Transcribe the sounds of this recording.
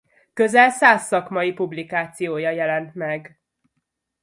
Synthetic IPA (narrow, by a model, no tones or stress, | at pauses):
kø̞zɛlsaːsːɒkmɒjipublikaːt̪sijoːjɒjɛlɛnt̪mɛɡ